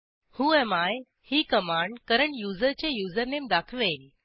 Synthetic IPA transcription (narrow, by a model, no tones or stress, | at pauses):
hũːɛmaj | hiːkəmaɳɖkəɾəɳjud͡zəɾt͡ɕejud͡zəɾnemd̪akʰʋel